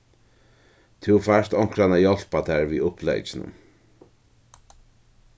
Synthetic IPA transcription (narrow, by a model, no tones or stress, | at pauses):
t̪ʰɪwfaʂt̪ɔŋ̥kɾanajɔl̥pat̪ʰaɹviːʊhplɛ̰jt͡ʃɪnʊ̰m